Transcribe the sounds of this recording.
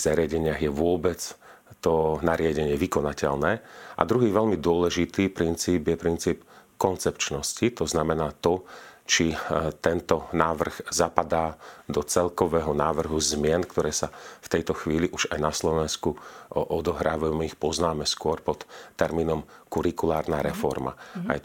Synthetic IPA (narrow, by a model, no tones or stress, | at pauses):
zaɾɪaɟɛɲɪaɣjɛʋʊɔbɛt͡s | t̪ɔnaɾɪaɟɛɲɪɛʋikɔnacɛ̰ʎnɛːʔa̰d̪ɾuɦiːʋɛʎmid̪ʊɔlɛʒit̪iːpɾint͡siːbjɛpɾint͡siːpkɔnt͡sɛpt͡ʃnɔscit̪ɔznamɛnaːt̪ɔt͡ʃit̪ɛnt̪ɔnaːʋr̩ɣzapad̪aːd̪ɔt͡sɛlkɔʋɛːɦɔnaːʋr̩ɦuzmɪɛnkt̪ɔɾɛːsaft̪ɛjt̪ɔxʋiːliʔuʒajnaslɔʋɛnskuʔɔd̪ɔɦɾaːʋaumɛixpɔznaːmɛskʊɔɾpɔt̪ːɛɾmiːnɔmkuɾikulaːɾnaːɾɛfɔɾma̰a̰j